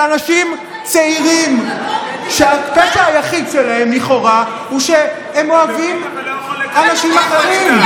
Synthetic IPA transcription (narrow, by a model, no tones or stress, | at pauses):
anaʃim | t͡seiʁim | ʃeapesahajaχidʃelahe̞mliχo̞ʁa | huʃe | emo̞avim | anaʃimaχe̞ʁim